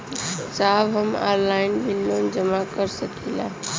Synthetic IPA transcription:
saːbɦəma̰ɾlaɪnbilːond͡ʒəmakəɾsəkʰilã̰

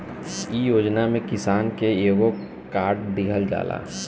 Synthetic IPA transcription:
ijoːd͡ʒnamẽkɪsaːnkeeːɡo | kaːɾʈ̚d̪ɪɡʰʱəld͡ʒa̰ːla̰ː

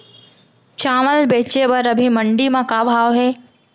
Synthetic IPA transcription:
t͡ɕaːməlbeːt͡ɕebəɾɐbʱimɐɳɖimãkabʱaːoɦeː

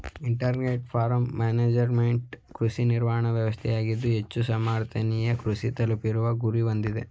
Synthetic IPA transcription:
iɳʈɐɾneʈ̚pʰaːɾɐmːaːneːd͡ʒɐɾmeɳʈkɾusiniɾʋaːɐɳɐʋjɐʋɐst̪ʰɛjaːɡid̪ːuɦe̞t͡ʃːusɐmaːɾt̪ʰɐnijɐkɾusit̪ɐlɐpiɾuʋɐɡuɾiʋɐnd̪id̪e̞

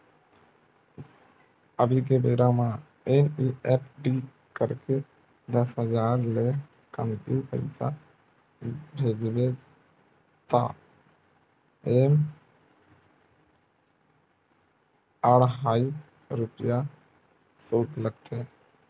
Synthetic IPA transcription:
əbʱikebeːɾamã | eːmiɛːpɖiː | kəɾke | d̪əsɦəd͡ʒaːɾle | kə̰mt̪ipə̰ɪsa̰ | bʱeːd͡ʒbe | t̪a̰ː | eːm | əɽɦaːi | ɾʊpja | soːtləɡt̪ʰeː

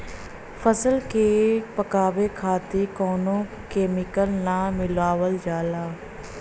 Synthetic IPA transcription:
pʰəsəlkepəkaːʋeːkʰaːt̪ikɔːnõː | keːmɪkəlnãːmɪlaːʋəld͡ʒaːlaː

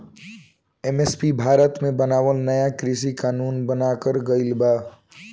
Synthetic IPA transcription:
emespibʱaɾət̪mebənaːʋəlnəjakɾis̬ikanuːnbənakəɾɡəɪlba

